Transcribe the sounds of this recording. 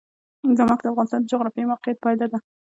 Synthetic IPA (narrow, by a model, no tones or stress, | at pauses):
zamɑkd̪əafɣɑnɪst̪ɑnd̪əd͡ʒʊɣɾɑfjajmawqɪjat̪̚pɑjd̪ɑd̪a